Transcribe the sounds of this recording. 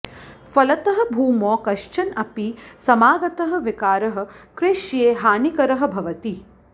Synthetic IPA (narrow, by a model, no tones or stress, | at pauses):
fɐlɐt̪ɐɦɐ̆bʱuːmɔːkɐʃt͡ʃɐnɐpisɐmaːɡɐt̪ɐɦɐ̆ʋikaːɾɐɦɐ̆kɾeʃjeːɦaːnikɐɾɐɦɐ̆bʱɐʋɐt̪i